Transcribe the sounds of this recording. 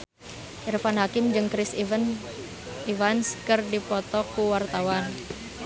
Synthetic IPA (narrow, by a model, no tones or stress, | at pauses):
ʔirfanhakɪmd͡ʒɨŋkɾɪs | ivanskərdipɔt̪ɔkuwart̪awan